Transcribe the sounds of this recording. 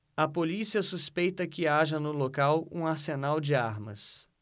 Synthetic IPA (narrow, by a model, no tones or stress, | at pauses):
ɐpolisiɐsuspejt̪ɐkɪaʒɐnʊlokawũaɾsenawd͡ʒɪaɾmɐ̰s